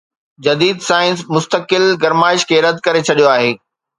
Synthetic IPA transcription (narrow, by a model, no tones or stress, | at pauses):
d͡ʑɐd̪iːd̪saːɪnsmʊst̪əkɪlɡɐɾmaːɪʃkʰeːɾəd̪̚kɐɾet͡ɕʰɐɗijoaːɦeː